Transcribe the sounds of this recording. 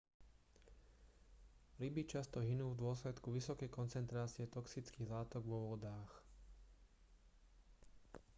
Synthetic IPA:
ɾibit͡ʃast̪ɔɦinuːvd̪ʊɔslɛt̪kuʋisɔkɛjkɔnt͡sɛnt̪ɾaːt͡sɪɛt̪ɔksit͡skiːɣlaːt̪ɔɡʋɔʋɔd̪aːx

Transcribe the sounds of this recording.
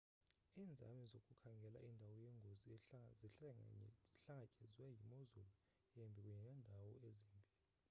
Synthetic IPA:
iːnd͡zʱa̰mizokʼukʰaŋɡʱɛla̰ʔindʱawɔjɛŋɡʱozi | z̥iɬaŋakʼɛzwɛjimozulu | jɛmbʱik̬ʼuɲɛnɛndʱawɔezimbʱilii

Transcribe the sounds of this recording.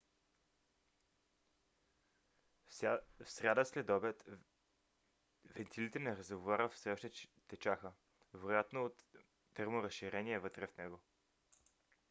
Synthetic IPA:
fsɾʲjad̪əslɛd̪ɔbɛt̪ | vɛnt̪ʰilit̪ɛnɛɾəzəɡovaɾəfsɛɔʃt̪ɛt̪ɛt͡ʃaxə | vɛɾojat̪noːt̪ː | ɛɾmoɾɐsʃiɾɛniɛvɤt̪ɾɛfnɛɡo

